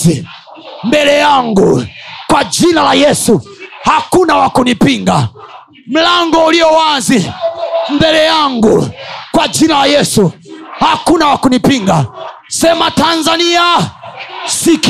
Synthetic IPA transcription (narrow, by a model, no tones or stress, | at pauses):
i | mbɛlɛjaŋɡukwad͡ʒinalajɛsuhakunawakunipiŋɡa | m̩laŋɡɔulijɔwanzi | m̩bɛlɛjaŋɡukwad͡ʒinalajɛsuhakunawakunipiŋɡa | sɛmatanzania | sik